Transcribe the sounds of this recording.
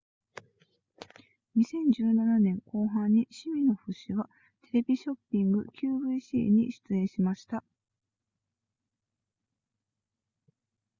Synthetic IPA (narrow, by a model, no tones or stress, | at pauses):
ɲ̟isẽ̞ɲ̟d͡ʑɨːnananẽ̞ŋko̞ːɦãɲ̟ːiɕimʲino̞ɸɯ̟ɕiβa | t̪e̞ɾe̞bʲiɕo̞pʲːĩŋɡɯ̟̰kʲʰɨːbɯ̟iɕḭːɲ̟ḭɕi̥t͡sɨẽ̞ɰ̃ɕimaɕi̥t̪a